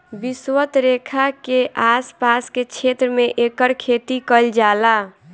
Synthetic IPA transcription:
biswət̪ɾekʰakeʔaspasket͡ʃʰet̪ɾəmeʔekəɾkʰet̪ikəld͡ʒala

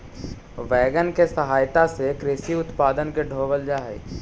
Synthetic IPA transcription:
ʋɛːɡənkesəɦaːjt̪asekɾɪʃiʊt̪paːd̪ənkeɖʱoːʋəld͡ʒaːɦḛː

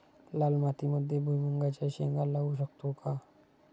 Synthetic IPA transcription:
laːlmaːt̪imʊd̪ʱːjebʱujmuŋɡat͡ʃaʃeːŋɡalausəkt̪okaː

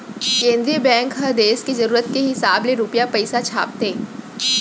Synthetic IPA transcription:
ẽːnd̪ɾijəbɛ̃ːŋkɦɐd̪eːskizɐɾuːɾət̪̚keɦɪsaːbleɾʊpjapɐɪsat͡ʃʰa̰ːp̚t̪eː

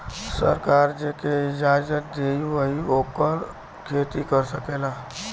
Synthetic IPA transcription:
sə̰ɾkaːɾd͡ʒeːkeɪd͡ʒaːd͡ʒət̪̚d̪eːiʋəioːpəɾ | kʰeːt̪ikəɾsəkeːlaː

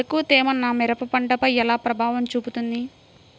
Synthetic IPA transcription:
ɐkuːt̪eːmɐnːamɛɾɐpɐpɐɳʈɐpɐjɛlaːpɾɐbʱaːʋɐmt͡ʃuːput̪und̪i

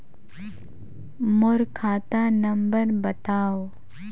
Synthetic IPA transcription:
mʊɾkʰaːt̪anəmbəɾbət̪aːo

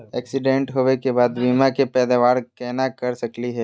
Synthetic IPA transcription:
ɛːksɪɖẽɳʈɦoʋekebaːd̪biːmakepɛːd̪aʋaːɾkɛːnakɐɾsɐkliɦɛː

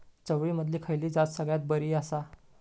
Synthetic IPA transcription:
t͡səʋɭiːməd̪ʱliːkʰəjliːd͡zat͡ssəɡɭjat̪̚bəɾiːəsa

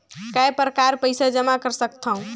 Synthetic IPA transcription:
kajpɾəkaɾpəjsad͡ʒəmakəɾsək̚t̪ʰəũ

